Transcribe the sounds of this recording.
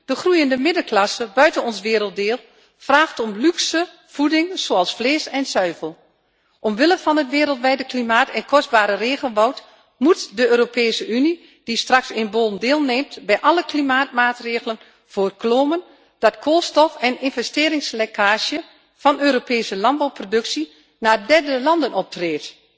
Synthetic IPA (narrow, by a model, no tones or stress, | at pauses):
d̥əxrujəndəmɪdəklɑsəbœɥtənɔnsʋɪːɾəlˠt̚dɪːlˠ | fraːxtɔmlyksə | v̥udɪŋz̥oːɑlˠsfleːsɛnsœɥvəlˠ | ʔɔmʋɪləfɔnətʋɪːɾəlˠtʋɛjdəklimaːtɛnkʰɔs̚baːɾəreːɣənʋɔwt | mutdəøːɾopeːsəyni | d̥istrɑksɪnbolˠn̩deːlˠneːmtbɛjʔɑləklimaːt̚maːtreːɣələn | v̥oːrkloːmən | d̥ɔtkʰoːlˠstɔfɛnɪnvɛsteːɾɪŋslekʰaːʃjə | fɔnøːɾopeːsəlɑnbɔwprodɵksi | naːdɛrdəlɑndənɔp̚treːt